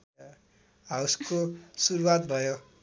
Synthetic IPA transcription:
ɦawskosuɾuwat̪bʱʌjo

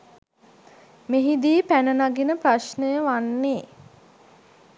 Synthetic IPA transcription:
meɦid̪iːpænənaɡinəpraʃnəjəʋanːeː

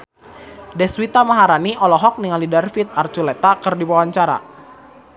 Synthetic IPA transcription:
dɛswit̪amaɦaɾaniʔɔlɔɦɔk̚niŋalidarfit̪̚art͡ʃulɛt̪akərdiwawaɲt͡ʃaɾa̰

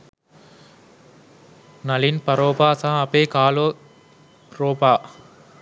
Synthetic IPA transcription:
nɐlinpɐɾoːpaːsãːɐpeːkaːloː | ɾoːpaː

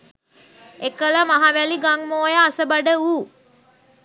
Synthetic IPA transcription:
ekələmaɦaʋæliɡaŋmoːjəːsəbaɖəuː

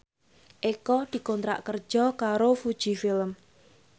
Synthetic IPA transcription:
ʔekɔd̪̥i̤kɔnt̪ɾa̰ʔkər̥ʒ̥ɔkaɾofud̥ʒ̥i̤fɪləm

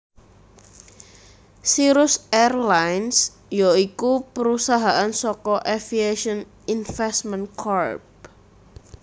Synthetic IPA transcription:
siɾʊsɛrlajns | joikupəɾusaɦaʔansɔkɔʔefieʃɔn | infɛsmənkʰɔrb̚

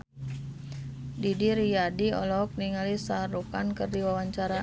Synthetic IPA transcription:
didiɾijadiɔ̰lɔk̚niŋalisarukankərdiwawaɲt͡ʃaɾa

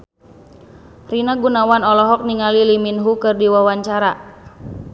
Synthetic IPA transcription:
rinaɡunawanɔlɔɦɔk̚niŋaliliminɦukɨrdiwawaɲt͡ʃaɾa

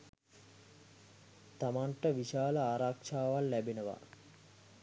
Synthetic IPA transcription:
t̪amaɳʈəʋiʃaːləaːɾakʂaːʋalːæbenəʋa̰

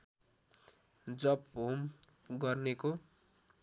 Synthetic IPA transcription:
d͡zʌpɦom | ɡʌrneko

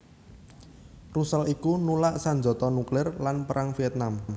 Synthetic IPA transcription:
rusəlikunulaʔsaɲd͡ʒɔ̤t̪ɔnuklɪrlanpəɾʔaŋfiɛt̪̚nam

